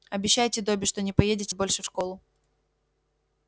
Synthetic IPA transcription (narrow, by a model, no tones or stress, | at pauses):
ɐbʲɪɕːæjtʲɪd̪obʲɪʂt̪o̞nʲɪpɐjedʲɪtʲɪbo̞lʲʂɨfʂko̞lˠʊ